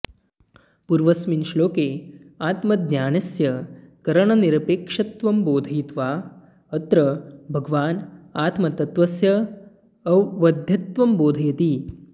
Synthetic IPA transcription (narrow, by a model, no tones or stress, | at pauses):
puɾʋɐsminʃloːkeːaːt̪mɐd̪njaːnɐsjɐkɐɾɐɳɐniɾɐpeːkʂɐt̪ʋɐmboːd̪ʱɐjt̪ʋaː | ɐt̪ɾɐbʱɐɡʋaːnaːt̪mɐt̪ɐt̪ʋɐsjɐ | ɐʋʋɐd̪ʱjɐt̪ʋɐmboːd̪ʱɐjɐt̪iː